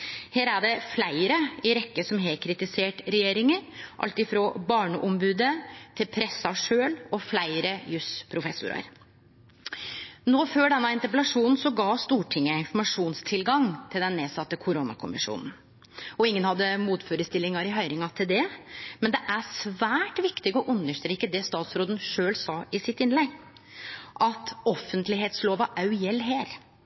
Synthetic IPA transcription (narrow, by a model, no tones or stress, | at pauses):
heːɾæɖɛflæɪɾəɪɾɛkːəsɔmɦekʰɾɪt̪ɪseːʈɾɛjeːɾɪŋəɾʔɑ̰lt̪ɪfɾɔbɑːɳəʔɔmbʉːd̪ət̪ʰɪlpʰɾɛsɑʂøːlɔflæɪɾəjʉspʰɾʊfɛsːʊ̰ɾɑ̰ɾ | noːføːɖɛnːɑɪnt̪əpəlɑʂuːnn̩sɔɡɑːst̪uːʈʰɪŋːəɪnfɔɾmɑʂuːnst̪ʰɪlɡɑŋt̪ʰɪld̪ɛnneːsɑt̪ːəkʰʊɾʊnɑ̰kʰʊ̰mɪ̰ʂṵːnn̩ | ɔɪŋːənhɑd̪ːəmuːt̪føːɾəst̪ɪlːɪŋɑɾɪɦœʏɾɪŋɑt̪ʰɪld̪ɛmɛnd̪ɛʔæsʋæːʈʋɪkt̪ɪɡɔʔʉnːəʂt̪ɾeːkːəd̪ɛst̪ɑːt̪sɾoːd̪ən̩ʂøːlsɑːɪsɪt̪ɪnlɛɡ | ʔɑt̪ɔfːənt̪lɪɦeːt̪sloːʋɑʔɑʉjɛlːɦeːɾ